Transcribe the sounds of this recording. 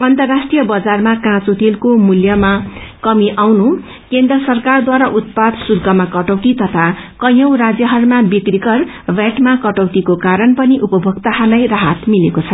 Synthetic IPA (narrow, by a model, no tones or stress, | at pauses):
ʌnt̪ʌrːasʈrijʌbʌd͡zarmakãt͡sot̪ilkomuljʌmakʌmiʔawnu | kend̪rʌsʌrkard̪waɾaʔut̪̚pad̪sulkʌmakʌʈʌwt̪it̪ʌt̪ʰakʌj̃ʌwrad͡zjʌɦʌrmabikrikʌr | bjaʈmakʌʈʌwt̪ikokaɾʌnpʌniʔupʌbʱʌkt̪aɦalajraɦat̪milekot͡sʰʌ